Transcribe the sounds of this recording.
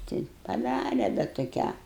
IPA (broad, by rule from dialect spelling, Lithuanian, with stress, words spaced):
ˈtʲɪ pɐˈdɑːrʲɛ bʲɛt toːˈkʲæː